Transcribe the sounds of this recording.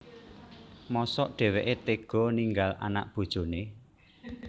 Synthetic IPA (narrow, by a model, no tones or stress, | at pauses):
mɔsɔʔɖ̥ɛ̤weʔet̪eɡ̥ɔ̤niŋɡalʔa̰na̰ʔb̥o̤d̥ʒ̥o̤ne